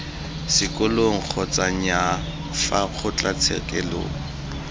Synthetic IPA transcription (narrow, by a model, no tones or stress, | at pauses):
sɪkʼʊloŋ̩k͡xʰɔt͡sʼaɲa | fak͡xʰʊt͡ɬʼat͡sʰɛ̰kʼɛ̰lo̰ːŋ̩